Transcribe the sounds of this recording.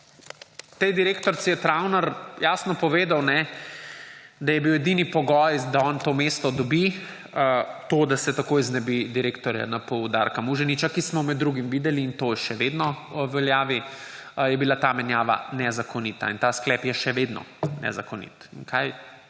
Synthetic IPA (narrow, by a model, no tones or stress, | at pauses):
t̪ɛjd̪iɾeːkt̪ɔɾt̪sijɛt̪ɾawnaɾjaːsnɔpɔʋeːd̪awnɛ | d̪ajɛbiwɛd̪inipɔɡɔjd̪aɔnt̪oːmest̪ɔd̪ɔbi | t̪od̪asɛt̪akojznɛbid̪iɾeːkt̪ɔɾja̰napɔwd̪a̰ɾkamuʒɛnit͡ʃakismɔmɛd̪ːɾuɡimʋiːd̪ɛliːnt̪ojɛʃɛʋed̪nɔ | ɔʋɛljaːʋijɛbilat̪amɛnjaːʋa̰nɛzakɔniːt̪a̰int̪asklɛːpjɛʃɛʋed̪nɔ̰nɛ̰zakɔnḭt̪inkʰaj